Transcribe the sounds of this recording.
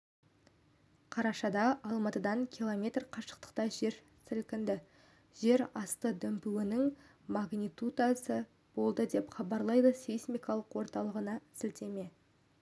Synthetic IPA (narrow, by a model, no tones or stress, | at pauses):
qʰɑɾɑʃɑd̪ɑɑlˠmɑt̪əd̪ɑŋkʲʰilˠomʲe̞t̪rqʰɑʃə̥q̚t̪ə̥qt̪ɑʒe̞ɾ | sɪlkʲɪnd̪ɪ | ʒ̥e̞ɾɑst̪əd̪ɵmpuwɪnɪŋ | maɡnijt̪ut̪asə | b̥o̞lˠd̪əd̪e̞pχɑbɑɾlˠɑjd̪əsejsmijkɑlˠəqwo̞ɾt̪ɑlˠəʁənɑsɪlt̪e̞me̞